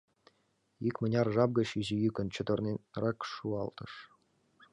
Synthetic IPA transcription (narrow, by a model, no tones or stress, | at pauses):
ikʲmɘ̆nʲɑrʐɑb̚ɡɤ̆ɕiʑijykʲɘ̆nt͡ɕɤ̆d̪ɤ̆rnʲerɑkʂuɑlˠt̪ɤ̆ʂ